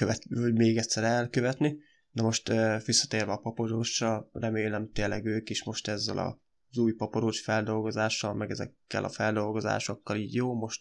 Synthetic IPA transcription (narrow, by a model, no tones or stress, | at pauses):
køɛt̪ɒɟmeːɡɛt̪ʲsɛɾɛɛlkø̞vɛt̪ni | nomo̞ʃt̪øːʋisːɒ̥t̪eːrvɛɒpɒpo̞ɾoːʃːɒlrɛmeːlɛmt̪eːlːɛɡøːkiʃmo̞ʃt̪ɛzːɛ̰lɒ̰ | zuːjpɒpoɾoːʃfɛld̪o̞lɡo̞zaːʃːɒlmɛɡɛzɛ̰kːɛ̰lʔɒ̰fɛld̪o̞lɡo̞za̰ːʃo̞kːɒliːɟjoːmo̞ʃt̪